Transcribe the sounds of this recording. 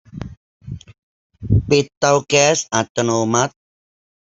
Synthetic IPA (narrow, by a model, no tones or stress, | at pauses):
pet̪ːawkɛsat̪ːənomat̪̚